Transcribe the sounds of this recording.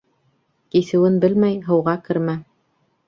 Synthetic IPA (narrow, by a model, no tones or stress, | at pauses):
kisɘ̆wɘnbɘlmæjɦɤ̆wʁɑkɘ̆ɾmæ